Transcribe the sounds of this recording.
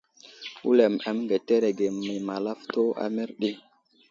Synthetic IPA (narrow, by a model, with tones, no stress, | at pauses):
u˦le˨ma˨mŋɡe˨te˦ɾe˨ɡe˨mi˨ma˨la˦fto˦a̰˦me˦ɾɗi˦